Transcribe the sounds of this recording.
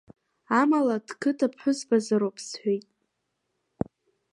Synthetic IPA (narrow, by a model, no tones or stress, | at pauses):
amalad̥kʰɨtʰapʰħʷʊzbazaɾowpʰsħʷᶣejtʼ